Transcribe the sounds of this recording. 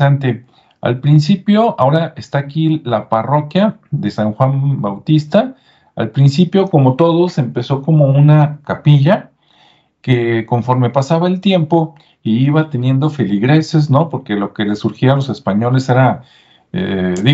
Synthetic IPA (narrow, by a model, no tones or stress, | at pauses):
ant̪e | a̰lpɾinsipjo̞ao̞ɾaʔe̞st̪aːkilaparo̞kjaðe̞saŋxwambawt̪ist̪a | a̰lpɾinsipjo̞ko̞mo̞t̪o̞ðo̞se̞mpe̞so̞ko̞mo̞unakapiʝa | keko̞ɱfo̞ɾme̞pasaβaelt̪je̞mpo̞ | iiβat̪e̞nje̞nd̪o̞feliɣɾe̞se̞z̬no̞po̞ɾke̞lo̞ke̞le̞suɾxialo̞se̞spaɲo̞le̞se̞ɾa | ḛði